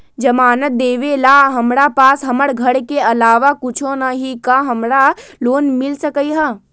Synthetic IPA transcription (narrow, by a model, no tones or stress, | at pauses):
d͡ʒɐmaːnət̪̚d̪eːʋelaːɦɐmɾapaːsɦɐməɽɡʱɐɽkeɐlaːʋakʊt͡ʃʰõnaɦikaɦɐmɾaloːnmɪlsəkəiɦaː